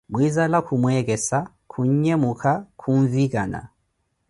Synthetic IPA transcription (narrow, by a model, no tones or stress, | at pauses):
mwizalakʰumwɛɣɛsa | kʰuɲ̩ɲɛmukʰakʰuɱvikana̰